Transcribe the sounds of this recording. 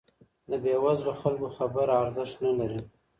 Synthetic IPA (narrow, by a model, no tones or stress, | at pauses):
d̪əbewazlaxalkoxabəɾaɾzɪʃt̪nalaɾi